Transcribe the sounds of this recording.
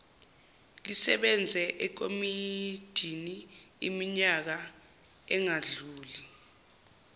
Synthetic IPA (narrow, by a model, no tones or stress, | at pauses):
lisɛɓɛnd͡zʱɛʔɛk̬omid̥ʱini | imiɲak̬a | ɛŋaɮuːli